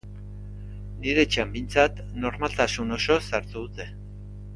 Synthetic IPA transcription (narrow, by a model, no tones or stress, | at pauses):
niɾe̞t͡ʃambijnt͡sat̪ | no̞ɾmalt̪asuno̞so̞saɾt̪uðut̪e̞